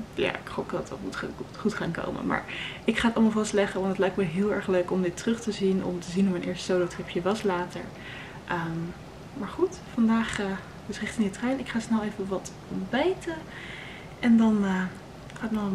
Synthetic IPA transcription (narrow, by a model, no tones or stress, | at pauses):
ja̰ːɪkχopdɑtɑ̰tmutːχutχaːnko̰wmə̰ma̰ːɹʔɪkχaːətɑlˠmɑlˠvɑstlɛχəʋɑntdətlɛjk̚tməɦɪːlˠɛɹχløɥkɔmdɪtrɵχtəzinɔ̰mtəzinufmɛjnʔɪːɹstə̥sowlotrɪpʰjəʋɑslaːtə̰ɹ | ʔəm | maːɹχut | fɑndaːχə | dəsrɪχtɪŋdətrœɥnɪkχaːsnɛlˠejvəʋɑt | ɔmbɛjtə | ʔɛndɑnə | χaːtnɔ